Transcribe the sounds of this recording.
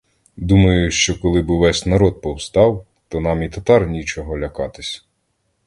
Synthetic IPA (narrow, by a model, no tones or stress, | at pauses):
d̪umɐjʊʃt͡ʃɔkɔlˠɪbɪʋɛsʲnɐɾɔd̪̚pɔwst̪ɑw | t̪ɔnɑmit̪ɐt̪ɑrnʲit͡ʃɔɦɔlʲɐkɑt̪ɪsʲ